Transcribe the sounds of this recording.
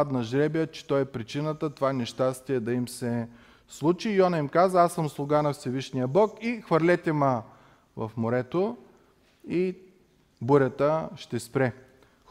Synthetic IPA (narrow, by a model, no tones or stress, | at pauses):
ad̪nɐʒɾɛbjət͡ʃɛ̥t̪ɔjɛpɾit͡ʃinət̪ət̪ovanɛʃt̪ast̪iɛd̪ɐimsɛ | slˠut͡ʃijɔnɐimkazɐasəmslˠʊɡanɐfsɛviʃnijəbɔkixvɐɾlʲɛt̪ɛmə | vɐ̰fmoɾɛt̪o | i | buɾʲət̪əʃt̪ɛspɾɛ